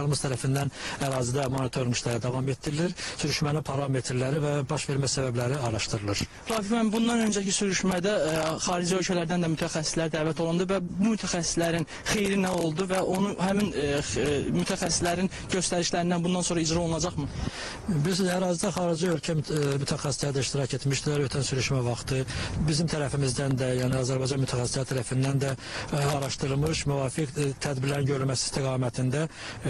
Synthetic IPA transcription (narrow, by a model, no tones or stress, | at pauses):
ɑlˠmɯst̪ʰæɾæfind̪ænæɾɑːzid̪æmonit̪ʰo̞ɾniʃlæɾid̪ɑvɑme̞t̪d̪iɾiliɾsyɾyʃmænipʰɑɾɑme̞t̪ʰɾlæɾivæbɑʃve̞ɾmæsæbæblæɾiɑɾɑʃt̪ɯɾɯlˠɯɾ̥ | ɾɑːfik̪mæmbund̪ɑnø̞nd͡ʒæcisyɾyʃmæd̪æχɑːɾid͡ʒiø̞lcʰælæɾd̪ænd̪æmyt̪ʰæxæsːi̥slæɾd̪æːvæt̪ʰo̞lˠund̪ɯvæbumyt̪ʰæxæsːi̥slæɾin | xejɾinæo̞lˠd̪uvæʔo̞nuɦæmin | myt̪ʰæxæsːislæɾin | ɟøst̪æɾiʃlæɾind̪ænbund̪ɑnso̞ɾɑid͡ʒɾɑo̞lˠunˠɑd͡ʒɑχmɯ | bilysyzæɾɑːzid̪æχɑːɾid͡ʒɯø̞lcʰæmyt̪ʰæxæsi̥slæɾid̪æiʃt̪iɾɑce̞t̪miʃd̪ilæɾø̞t̪ʰænsyɾyʃmævɑχt̪ɯbizimt̪ʰæɾæfimizd̪ænd̪æjæːniɑːzæɾbɑjd͡ʒɑnmyt̪ʰæxæsi̥slæɾit̪ʰæɾæfind̪ænd̪æɑɾɑʃt̪ɯɯlˠmɯʃmyvɑːfikt̪ʰæd̪biɾlæɾinɟø̞ɾylmæsi̥st̪ʰiɡɑːmæt̪ʰind̪æ